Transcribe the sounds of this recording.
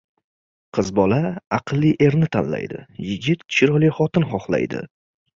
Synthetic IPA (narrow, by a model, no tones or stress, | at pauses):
qʰɨzbɒlaɑqʰɨlˠːiʔe̞ɾnɪt̪ʰanla̰jd̪ɪ̰jɪɡʲɪt̪kʲʰɪ̥t͡ʃʰɪɾɒlˠijχɒt̪ɪnχɒχlˠa̰jd̪ɪ̰